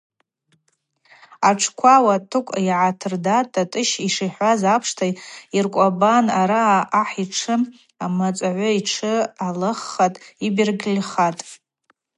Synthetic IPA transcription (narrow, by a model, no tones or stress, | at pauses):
aʈ͡ʂʰkʷʰawatʰɨkʷʼiʕatʰɨrdatʼʰatʼɨʃiʂiħʷazapʰʂtʰajirkʷʼabanaɾaːʔːħiʈ͡ʂʰɨ | amat͡sʷʼʕʷʊiʈ͡ʂʰɨalɨχːatʼibirɡlʲχatʼ